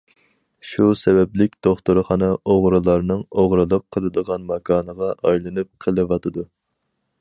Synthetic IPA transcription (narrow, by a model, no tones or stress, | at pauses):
ʃusɛbɛplɪk̚ʲd̪oχt̪uɾχɑnɨʔoʁɾɨlˠɑɾnɨŋoʁɾɨlˠəqʰːəlˠɨd̪əʁɑnmɑkʰɑːnəʁɑʔɑjlˠɨnɨp̚qʰəlˠɨʋɑt̪ʰɨd̪u